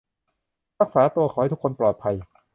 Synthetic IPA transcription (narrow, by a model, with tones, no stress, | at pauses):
ɾa˦˥k̚saː˩˦t̪u˧ɐkʰɔ˨˦ha˥˩t̪ʰu˥kʰo˧nplɔː˨˩t̪̚pʰa˧j